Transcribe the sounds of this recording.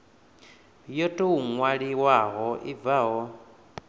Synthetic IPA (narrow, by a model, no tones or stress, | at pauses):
jɔtʼɔuŋwaɺiwaɦɔʔib̪vaɦɔ